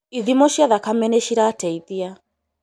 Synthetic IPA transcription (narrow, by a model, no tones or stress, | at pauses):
iðimɔʃiaðakamɛnɛʃiɾaːtɛiðia